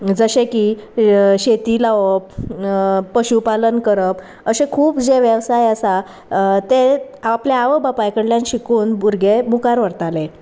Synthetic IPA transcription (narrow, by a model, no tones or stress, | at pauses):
d͡zəɕeki | ɕet̪iːlaʋəpː | əɕupalənkəɾəp | əɕẽkʰuːpd͡zeʋjəʋsajəsa | t̪e | apljaaʋəbapajkəɽljãnɕikuːnbuɾɡʱemukaɾʋəɾt̪ale